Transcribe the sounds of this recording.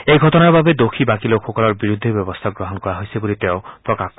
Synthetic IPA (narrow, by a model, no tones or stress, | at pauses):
ejɡʱɔtɔnaɾbabed̪okʰibakiloxʰɔkɔlɔɾbiɾud̪ʱːebjɔbɔst̪ʰaɡɾɔɦɔnkɔɾaɦojsibulit̪eʊ̃pɾɔkak